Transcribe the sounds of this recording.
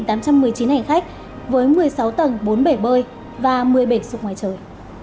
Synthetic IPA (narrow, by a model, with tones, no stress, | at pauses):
nt̪aː˨˦mt͡ɕa˧mːɨ˨˩əjt͡ɕi˨˦nha˧˩ŋ̟xa˦˥k̟̚ | vəː˨˦jmɨ˨˩əjsa˨˦wt̪ə˨˩nɓo˨˦nɓə˧˩jɓəː˧˩j | vaː˨˩mɨ˨˩əjɓə˧˩sʊ˨˩k͡p̚ŋaː˨˩jt͡ɕəː˨˩j